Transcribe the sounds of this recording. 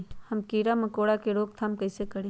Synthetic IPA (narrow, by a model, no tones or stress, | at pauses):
hɐmkiːɾamɐkoːɽakeɾoːk̚t̪ʰamkɐɪsekɐɽĩ